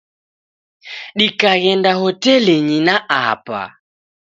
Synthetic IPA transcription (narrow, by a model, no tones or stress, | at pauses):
ɗikaɣɛndaɦɔtɛleɲinaʔa̰pa̰